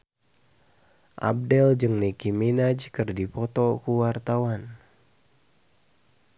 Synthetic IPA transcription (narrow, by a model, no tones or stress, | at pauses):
ʔa̰b̚dɛld͡ʒɨŋnikiminad͡ʒkɨrdipɔt̪ɔkuwart̪awan